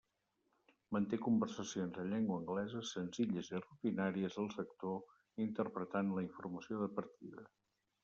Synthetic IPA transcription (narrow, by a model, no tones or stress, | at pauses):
mənt̪ekumbərsəsionzəʎɛŋɡwəːŋɡlɛzəsənziʎəzirut̪inaɾiəzəlˠsək̚t̪o | int̪əɾpɾət̪anləiɱfuɾməsioðəpəɾt̪iðə